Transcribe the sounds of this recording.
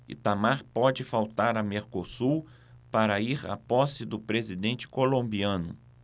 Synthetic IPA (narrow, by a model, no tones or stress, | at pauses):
ɪ̰t̪amaɾpɔd͡ʒɪfawt̪aɾɐmeɾkosu | paɾɐiɾa̰pɔsɪd̪ʊpɾezid̪ẽnt͡ʃɪ̥kolõmbiɐ̃nʊ̰